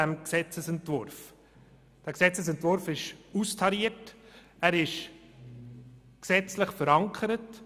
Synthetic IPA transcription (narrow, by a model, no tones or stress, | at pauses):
æmksɛt͡səsɛntvʊɾf | d̥æːksɛt͡səsɛntvʊɾfɪʃustʰɑɾiət | æːɾɪʃ | ksɛt͡slɪχfəɾɑŋkʰəɾət